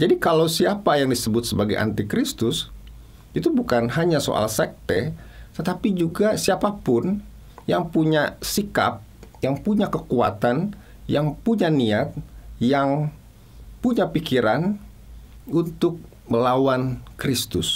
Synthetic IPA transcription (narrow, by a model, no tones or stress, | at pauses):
d͡ʒadikalawsiapajaŋdisəbʊt̪̚səbaɡajʔa̰nt̪ikɾist̪ʊs | it̪ubukanɦaɲaso̰ʔa̰lsɛk̚t̪et̪ət̪apid͡ʒuɡasiapapʊn | jaŋpuɲasika̰p̚jaŋpuɲakəkua̰t̪an | jaŋpuɲaniat̪̚jaŋ | puɲapikiɾan | unt̪ʊk̚ | məlawankɾist̪ʊs